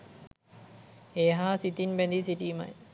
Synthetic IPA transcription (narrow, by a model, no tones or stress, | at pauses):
eːɦaːsit̪inbɛnd̪isiʈiːma̰j